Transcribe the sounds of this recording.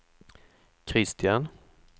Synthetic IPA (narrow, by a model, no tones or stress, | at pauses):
kʰɾɪst̪ɪan